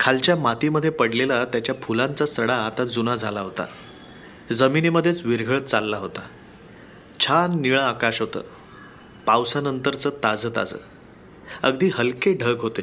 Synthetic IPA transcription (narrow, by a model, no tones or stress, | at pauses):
kʰalt͡ɕjamat̪iməd̪ʱːjepəɽlelat̪jat͡ɕjapʰulãnt͡sasəɽaːt̪ad͡zunad͡zʱalaɦot̪a̰ | d͡zəminiməd̪ʱːjet͡sʋiɾɡʱəɭət̪̚t͡salːaɦot̪a | t͡ɕʰanːiɭaakaɕɦot̪ə̰ː | pawsanənt̪əɾt͡səːt̪ad͡zət̪a̰d͡zə̰ː | əɡd̪iːɦəlkeɖʱəɡɦot̪e